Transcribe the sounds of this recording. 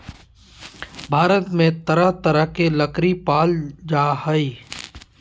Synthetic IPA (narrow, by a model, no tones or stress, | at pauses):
bʱaːɾət̪mẽt̪əɾəɦt̪əɾəɦkelɐkɾipaːld͡ʒaːhəi